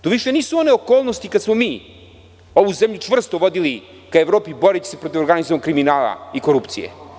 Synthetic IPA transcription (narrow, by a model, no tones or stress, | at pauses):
t̪oʋiʃeniːsuo̞neokoːlˠnost̪ikad̪smomiː | o̞ʋuzemʎut͡ʂvr̩st̪oʋod̪ili | kaevɾo̞ːpiboɾet͡ɕe̥sepɾot̪iʋoɾɡanizomakɾiminaːlˠa̰iko̞ɾupt̪sijḛ